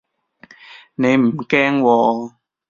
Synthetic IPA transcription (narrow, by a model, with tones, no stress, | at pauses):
ne˨˧jm̩˨˩kɛː˦˥ŋwɔː˨˧